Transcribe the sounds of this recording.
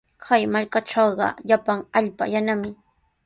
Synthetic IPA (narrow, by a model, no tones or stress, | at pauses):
kʰajmaʎkaʈ͡ʂɑwɢɑ̰ʎapaŋaʎpa̰janamɪ